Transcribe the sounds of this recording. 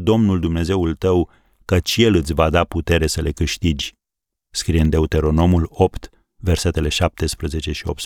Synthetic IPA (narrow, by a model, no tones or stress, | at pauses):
d̪o̞mnuld̪umne̞ze̞ult̪əw | kət͡ʃje̞lɨt̪sʲvad̪aput̪e̞ɾe̞səle̞kɨʃt̪id͡ʒʲ | skɾiɨnd̪e̞ut̪e̞ɾo̞no̞mulo̞pt̪ | ve̞rse̞t̪e̞le̞ʃap̚t̪e̞spɾəze̞t͡ʃe̞ʃio̞̰p̚t̪s